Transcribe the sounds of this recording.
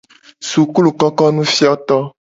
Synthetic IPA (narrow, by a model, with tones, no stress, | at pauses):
su˨ku˦lu˨kɔ˦kɔ˦nũ˦fi˦ɔ˦t̪ɔ˦